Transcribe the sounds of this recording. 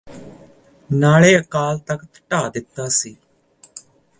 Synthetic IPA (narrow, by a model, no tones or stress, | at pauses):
naːleːəkaːlt̪əkt̪ʈaːd̪ɪt̪ːaːsiː